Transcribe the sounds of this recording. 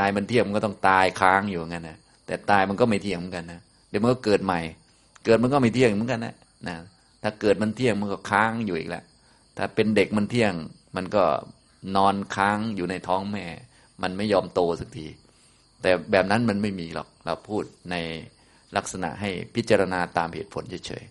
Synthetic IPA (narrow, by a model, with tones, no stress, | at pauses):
aː˧jma˧nt̪ʰi˥˩ŋma˧kɔ˥˩ɔ˥˩ŋt̪aː˧jkʰaː˦˥ŋjuː˨˩˨ŋka˧nːa˦˥˩ | t̪ɛː˨˩t̪aː˧jma˧nkɔ˥˩ma˥˩jt̪ʰi˥˩ŋmɯ˩˦nka˧nːa˦˥ | t̪ɛ˨˩ma˧nkɔ˥˩kɤː˨˩t̪̚ma˨˧˩j | kɤː˨˩t̪̚m˧nkɔ˥˩ma˥˩t̪ʰi˥˩əŋ˨mɯ˨˦nka˧nːa̰˧˩ | na˦˥ | t̪ʰaː˧˩kɤː˨˩t̪̚ma˧nt̪ʰi˥˩əŋma˧nkɔː˥˩kʰaː˦˥ŋjuː˨ʔḭː˨˩k̚lɛ̰˧˥ | t̪ʰaː˧˩pe˧nde˨˩k̚ma˧nt̪ʰi˥˩əŋ | ma˧nkɔ̰ː˥˩ | nɔː˧nkʰaː˦˥ŋjuː˨˩na˧jt̪ʰɔː˦˥ŋmɛː˥˩ | ma˧nma˥˩jːɔː˧mt̪oː˧sa˨˩k̚diː˧ | t̪ɛː˨˩bɛː˨˩p̚na˦˥nma˧nma˥˩jmiː˧lɔ̰˨˩k̚ɾa̰˧wpʰuː˥˩t̪̚na˧j | la˦˥˩k̚sa˧na̰˨˩ʔɦa˥˩jpʰi˦˥t̪̚t͡ɕaː˧ɾa˧naː˧t̪aː˧mhḛː˨˩t̪̚pʰo˨˩˦nt͡ɕʰa˧˥˩jt͡ɕʰɤ̰ː˨˩˦j